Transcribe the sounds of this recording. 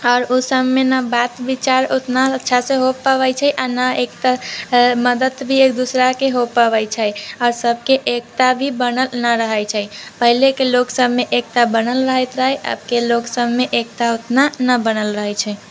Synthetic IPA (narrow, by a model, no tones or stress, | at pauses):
ɔːɾosəmmenəbat̪bit͡ʃaɾot̪naətːt͡ʃʰasẽɦopːəβɛjt͡ʃʰəjʔanəek̚t̪aməd̪ət̪bʱiek̚d̪usɾakeɦopəβəjt͡ʃʰəɔːɾsəbʱkeʔek̚t̪abʱibənəlnəɾəɦəjt͡ʃʰəjpəɦilekeloksəbʱmeʔek̚t̪abənəlɾəɦɛt̪ɾaɦjʔə̰b̚ʱkeloksəbmeʔek̚t̪aot̪nanəbənəlɾəɦɛt͡ʃʰɛ